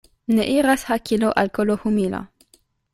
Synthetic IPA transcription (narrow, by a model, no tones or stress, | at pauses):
neʔiɾashakiloʔalkolohumila̰